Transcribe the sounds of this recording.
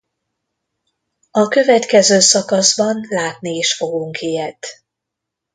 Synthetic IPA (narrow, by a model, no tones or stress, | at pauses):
ɒkø̞vɛt̪kɛzøːsɒkɒzbɒnlaːt̪nieːʃfo̞ɡuŋkijɛt̪